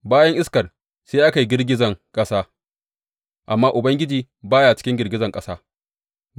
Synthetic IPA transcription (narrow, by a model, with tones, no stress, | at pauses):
baː˦jɐ˦ŋʔɪ˦skɐ˨r | seː˦ʔa˦ka˨jɡʲɪ˦rɡʲɪ˦zɐ˨ŋkʼɐ˦saː˦ | ʔa˨mːaː˦ʔʊ˨bɐ˦ŋɡʲɪ˦d͡ʒiː˨ | baː˦jaː˨t͡ʃɪ̥˦kʲɪ˦ŋɡʲɪ˨rɡʲɪ˦zɐ˨ŋkʼɐ˦saː˦